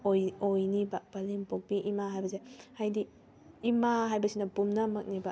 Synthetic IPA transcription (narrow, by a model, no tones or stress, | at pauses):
ojojnibɐpɐlimpok̚biʔimaɦajbɐzehajdiː | maɦajbɐsinɐpumnɐmɐk̚nibɐ